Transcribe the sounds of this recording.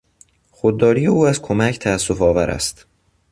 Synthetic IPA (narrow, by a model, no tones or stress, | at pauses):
xod̪ːɒːɾijeuːæzkʰo̞mæcʰt̪ʰæːsːofɒːvæɾʔæ̰st̪